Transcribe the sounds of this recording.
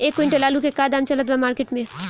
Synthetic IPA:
eːkːʋɪɳʈelaːlukekaːd̪aːmt͡ʃɐlət̪ʋamaːɾkeʈmẽ

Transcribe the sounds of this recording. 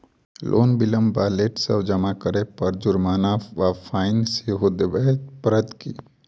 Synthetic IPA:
lʔo̰ːnbɪləmbaːleʈsəwd͡ʒəmakəɾepəɾd͡ʒʊɾmaːnaʋapʰaːɪnseɦod̪ebepɾəd̪kḭ

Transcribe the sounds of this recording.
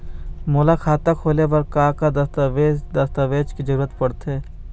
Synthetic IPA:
moːlakʰaːt̪akʰoːleʋɐɾkaːkad̪ɐst̪ed̪ɐst̪aʋeːd͡ʒkid͡ʒəɾuːɾət̪pɐɽt̪eː

